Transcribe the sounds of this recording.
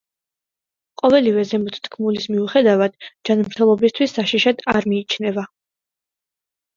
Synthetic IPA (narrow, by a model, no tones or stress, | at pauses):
qʼɔvɛlivɛzɛmut̪ʰt̪ʰkʰmulismiuχɛd̪avad̪̥d͡ʒanmɾt̪ʰɛlˠɔbist̪ʰwisːaʃiʃad̪aɾmiːt͡ʃʰnɛva